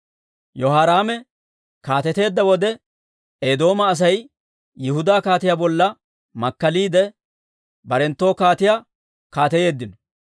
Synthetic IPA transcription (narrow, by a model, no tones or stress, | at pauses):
jɔɦaːɾaːmɛ | kaːt̪ɛt̪e̞ːd̪ːɐwɔd̪ɛ | eːd̪o̞ːmɐːs̬ɐj | jɪhʊd̪aːkaːt̪ɪjaːbɔlːɐ | mɐkːɐliːd̪ɛ | bɐɾɛnt̪ːo̞ːkaːt̪ɪja | kaːt̪ɛje̞ːd̪ːɪnɔ̥